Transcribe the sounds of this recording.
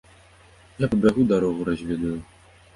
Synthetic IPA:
japɐbʲaɣud̪aɾɔɣuɾazʲvʲɛd̪uju

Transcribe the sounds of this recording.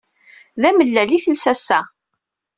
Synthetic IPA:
ðæməlːæliθəlsæsæ

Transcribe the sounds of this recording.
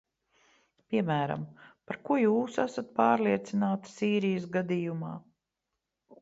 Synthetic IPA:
pʲiɛmæːɾa̰mpaɾkuɔjuːsasat̪̚paːɾliɛt̪sinaːt̪siːɾijəsɡad̪ijumaː

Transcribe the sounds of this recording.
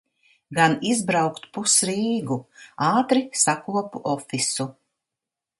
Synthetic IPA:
ɡanizbɾawkt̪pusɾiːɡuaːt̪ɾisakuɔpuʔɔfisu

